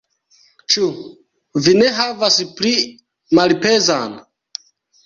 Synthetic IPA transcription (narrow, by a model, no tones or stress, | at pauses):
t͡ʃu | vine̞ɦavaspli | malpe̞zan